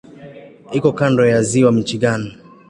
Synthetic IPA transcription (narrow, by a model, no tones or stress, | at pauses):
ikɔkandɔjaziwam̩t͡ʃiɠani